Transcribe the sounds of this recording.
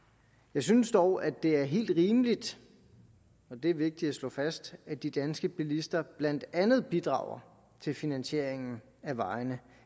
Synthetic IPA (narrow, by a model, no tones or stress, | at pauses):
jɑ̈ɪsynsd̥ɒʊæd̥e̝æɐɦe̝̰ːld̥ʁiːmlid̥ | ɒ̽d̥e̝æɐʋe̝ɡ̥̚d̥id̥æslɔ̰̽fæsd̥æd̥id̥ænsɡ̥əb̥ilisd̥ɐb̥læn̰d̥ænð̞̩ˠb̥id̥ʁɑ̰̈ʊɐ | t͡sʰe̝lfinænɕe̝ɐ̰eŋn̩ | æʋɑ̈ɪnə